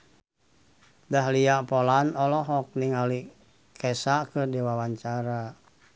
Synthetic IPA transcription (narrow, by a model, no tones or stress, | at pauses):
dahliaʔpɔlanɔlɔɦɔk̚niŋali | kʰɛsakɨrdiwawaɲt͡ʃaɾa